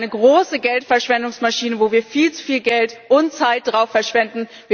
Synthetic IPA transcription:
nəɡʁoːsəɡɛltfɛɐʃv̥ɛndʊŋsmaʃiːnəvoːviːɐfiːlt͡su̥fiːlɡɛltʔʊnt͡saɪt̚d̥ʁaʊfːɛɐʃv̥ɛndn̩ | viː

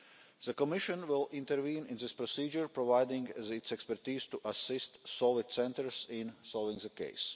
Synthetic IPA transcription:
z̥əkɔmɪʃə̃nʋɪlˠɪ̃nt̪əɾvĩːnɪ̃nzɪspɾɔsiːd͡ʒəɹpɾɔvaɪd̪ɪ̃ŋɡzɪt̪sɛkspɛɾt̪iːz̥t̪uʔasɪst̪sɔlvɪt̪sɛ̃nt̪əɾsɪ̃nsɔlˠvɪ̃ŋzəkḛɪs

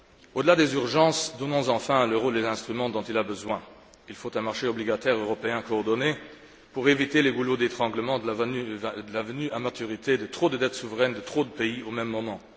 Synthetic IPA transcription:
od̪əlad̪ezyʁʒɑ̃sd̪ɔnɔ̃zɑ̃fɛ̃ləʁold̪ezɛ̃st̪χymɑ̃d̪ɔ̃t̪ilabəzwɛ̃ | ilfot̪ɛ̃maʁʃeɔbliɡat̪ɛʁøʁɔpeɛ̃kɔːʁd̪ɔne | puʁevit̪eleɡulod̪et̪χɑ̃ɡləmɑ̃d̪əavd̪əlavənyʔamat̪yʁit̪ʰed̪ət̪χod̪əd̪ɛt̪suvəʁɛnd̪ət̪χod̪əpeiomɛmːɔmɑ̃

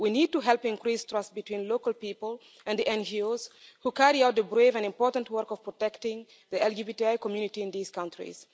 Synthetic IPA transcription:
winid̚tuɦɛlˠpɪ̃nkɹistɹʌstbɨtwĩnlokəlˠpipəlˠ | ɛ̃nðiʔɛ̃nd͡ʒioz̥hukæɹiaʊt̚ðəbɹevɛ̃nɪ̃mpɔɹtə̃ntwɜɹkɔv̥pɹɔtɛktɪ̃ŋ | ðiɛlˠd͡ʒibitiaɪkɔmjunɪtiɪ̃nðiz̥kãntɹḭz̥

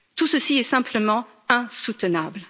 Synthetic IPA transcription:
t̪usəsiɛsɛ̃pləmɑ̃ | ɛ̃sut̪ənabl

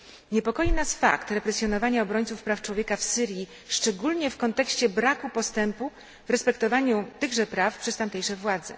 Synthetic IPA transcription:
ɲɛpɔkɔjinasfa̰kt̪ɾɛpɾɛsʲjɔnɔvaɲaɔbɾɔɲʲt̪sufpɾaft͡ʂwɔvʲjɛkafsɘɾʲji | ʂt͡ʂɛɡulɲɛfkɔnt̪ɛkɕt͡ɕɛbɾakupɔst̪ɛmpu | vɾɛspɛkt̪ɔvaɲut̪ɘɣʐɛpɾafpʂɛst̪amt̪ɛjʂɛvwad̪zɛ̰

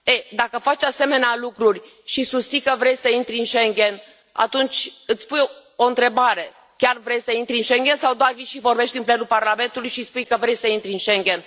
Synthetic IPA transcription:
ed̪akəfat͡ʃase̞me̞nealukɾurʲ | ʃisust̪sikəvɾe̞jsəint̪ɾʲɨnʃeŋɡʲe̞n | a̰t̪unt͡ʃʲɨt̪sʲpujoɨnt̪ɾe̞baɾe̞ | kʲarvɾe̞jsəint̪ɾʲiɨnʃeŋɡʲe̞nsawd̪oarviʃivo̞rbe̞ʃt̪ʲinple̞nulparlame̞nt̪ulujʃispujkəvɾe̞jsəint̪ɾʲiɨnʃe̞ŋɡʲe̞n

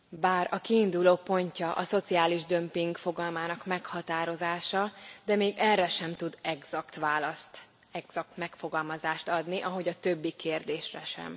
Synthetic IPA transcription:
baːrɒkiːnd̪uloːpo̞ɲcɒʔɒso̞t̪siaːliʒd̪ø̞mpiŋɡfo̞ɡɒlmaːnɒkmɛkhɒt̪aːɾo̞zaːʃɒd̪ɛmeːɡɛrːɛʃɛmt̪ud̪ɛɡz̥ɒkt̪ʋaːlɒst̪ | ɛɡz̥ɒk̚t̪mɛkfo̞ɡɒlmɒzaːʃt̪ɒd̪niʔɒɦo̞ɟɒt̪øbːikeːrd̪eːʃrɛ̰ʃɛ̰m

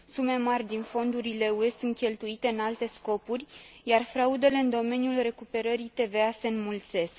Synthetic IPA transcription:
sume̞marʲd̪info̞nd̪uɾile̞ue̞sɨnt̪kʲe̞lt̪uit̪e̞ɨnalt̪e̞sko̞purʲjarfɾaud̪e̞le̞ɨnd̪o̞me̞njulre̞kupe̞ɾəɾit̪e̞ve̞ase̞ɨnmult̪se̞sk

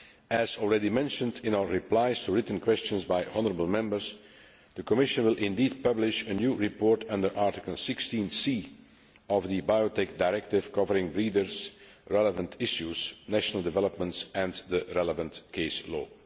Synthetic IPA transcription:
ɨzɔlˠɹɛdimɛ̃nʃə̃ndɪ̃naʊə˞ɹiplaɪstuɹɪtn̩kʰwɛst͡ʃə̃nzbaɪʔɔnəɹəbəl̩ˠmɛ̃mbəɹz | d̪əkɔmɪʃə̃nwɪlˠʔɪ̃ndiːd̚pʌblɪʃənjuːɹipɔːɹtʰʌ̃ndə˞ʔɑɹtɪkəl̩ˠsɪkstĩnsiː | ɔvd̪əbaɪotɛk̚daɪɹɛk̚tɪv̥kʌvəɹɪ̃ŋbɹiːdəɹz | ɹɛləvə̃ntʰɪʃjuz̥næʃənəl̩ˠdɪvɛlˠəpmə̃ntsɨ̃nd̪əɹɛləvə̃ntkʰeɪslɔ̰ː

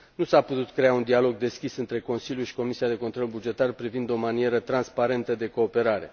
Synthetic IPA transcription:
nusaput̪ut̪kɾe̞aund̪ialo̞ɡ̚d̪e̞skʲisɨnt̪ɾe̞ko̞nsilʲjuʃi̥ko̞misiad̪e̞kont̪ɾo̞lbud͡ʒe̞t̪arpɾivind̪o̞manije̞ɾət̪ɾanspaɾe̞nt̪əd̪e̞ko̞ːpe̞ɾaɾe̞̰

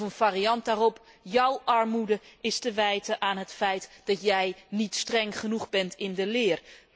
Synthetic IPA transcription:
ənv̥aːriɑnt̚daːrɔp | jʌwʔɑɹmudəɪstəʋɛjtəʔaːnɦətfɛjtd̥ɑtjɛjnitstrɛŋχənuχbɛntʰɪndəlɪːr

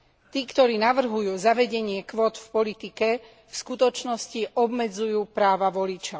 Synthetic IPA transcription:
t̪iːkt̪ɔɾiːnaʋr̩ɦujuːzaʋɛɟɛɲɪɛkʋɔːt̪fpɔlit̪ikɛ | fskut̪ɔt͡ʃnɔsciʔɔbmɛd͡zujuːpɾaːʋaʋɔlit͡ʃɔʊ

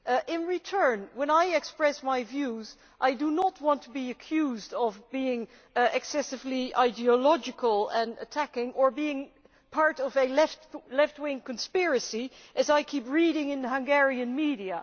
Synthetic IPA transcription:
ɪ̃nɹitʰɜ̃˞nwə̃ñaɪɨkspɹɛsmaɪvjuz | ʔaɪdɨnət̚wɑ̃ntʰəbiɨkʰj̥uzdʌvbiɪ̃ŋ | ɨksɛsɨvliaɪdiəlɑd͡ʒɨkəl̩ˠə̃nɨ̰tʰækɪ̃ŋə˞biɪ̃ŋ | pʰɑɹɾʌvɨlɛftlɛft̚wɪ̃ŋkɨ̃n̩spɪɹɨsiʔɨzaɪkʰipɹiɾɪ̃ŋɨ̃nɦʌ̃ŋɡɛɹiɨ̃nmiɾiɨ

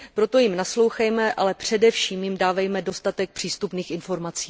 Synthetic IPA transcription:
pɾo̞t̪o̞jɪmnaslo̞wxɛjmɛʔalɛpr̝̥ɛdɛfʃiːmjɪmdaːvɛjmɛdo̞st̪at̪ɛk̚pr̥iːst̪upniːxʔɪnfo̞ɾmat͡siː

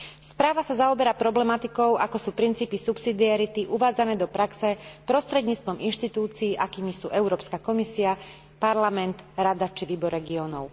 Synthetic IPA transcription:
spɾaːʋasazaɔbɛɾapɾɔblɛmat̪ikɔʊʔakɔsuːpɾint͡siːpisupsid̪iaɾit̪iʔuʋaːd͡zanɛːd̪ɔpɾaksɛpɾɔst̪ɾɛd̪ɲiːt͡st̪ʋɔminʃt̪it̪uːt͡siːʔakiːmisṵːʔɛʊɾɔːpskakɔmisia | paɾlamɛnt̪ɾad̪at͡ʃiʋiːbɔɾɾɛɡiɔnɔʊ

